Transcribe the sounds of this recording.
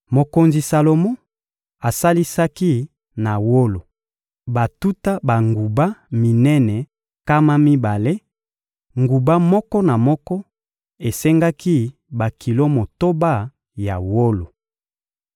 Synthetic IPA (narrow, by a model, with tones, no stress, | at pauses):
mo˨ko˨nzi˨sa˨lo˨mo˦ | a˨sa˦li˦sa˦ki˦ | na˨wo˦lo˨ | ba˨tu˦ta˦ba˨ŋɡu˨ba˦mi˨nɛ˦nɛ˨ | ka˦ma˦mi˦ba˨le˦ | ŋɡu˨ba˦mɔ˦kɔ˦na˨mɔ˦kɔ˦ | e˨sɛ˦ŋɡa˦ki˦ | ba˨kʰi˨lo˦mo˨to˦ba˦˨ | ja˨wo˦lo˨